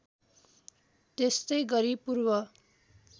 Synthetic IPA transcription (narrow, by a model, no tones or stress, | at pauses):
t̪est̪ʌjɡʌɾipurbʌ